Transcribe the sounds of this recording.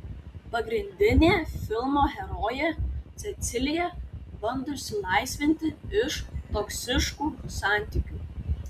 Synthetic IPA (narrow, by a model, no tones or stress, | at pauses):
pɐɡɾʲɪnʲd̪ʲɪnʲeːfʲɪlˠmoːxʲɛɾoːjɛt̪sʲɛt̪sʲɪlʲɪjɛbɐnd̪ʊsʲɪlˠɐˑɪsʲʋʲɪnʲt̪ʲɪɪʃt̪ɔksʲɪʃkuːsɑˑnʲt̪ʲɪkʲuː